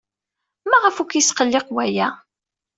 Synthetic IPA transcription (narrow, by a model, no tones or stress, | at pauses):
maʁəfukjisqəlːɪqwæjæ